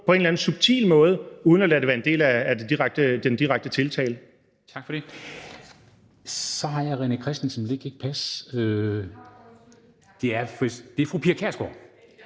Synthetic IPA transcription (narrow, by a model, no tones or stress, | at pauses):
pʰɒ̽e̝nlæn̩sub̥̚t͡sʰḭːlmɔ̽ːð̞ˠəuːð̞ˠnɒlæɾ̥eʋæːɐe̝nde̝̰ːlæːd̥ed̥iʁaɡ̥̚d̥əd̥end̥iʁaɡ̥̚d̥ət͡sʰe̝lt͡sʰɛ̰ːlə | t͡sʰɑ̈ɡ̥fɒɾ̥e̝ | sɒ̽ɦɑ̈jɑ̈ɪʁɛnəkʰʁɛsd̥n̩sɒ̽mleɡ̥e̝ɡ̥̚pʰæsø | d̥e̝æɐfd̥e̝æɐfʁupʰiɐkʰeɐsɡ̥o̰